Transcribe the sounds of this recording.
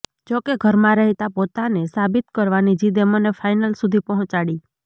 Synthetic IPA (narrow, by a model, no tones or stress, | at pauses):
d͡ʒokeɡʱəɾmãɾɛɦt̪apot̪anesabit̪kəɾʋanid͡ʒid̪emonefʰajnəlsud̪ʱipɔɦɔ̃t͡ʃaɽi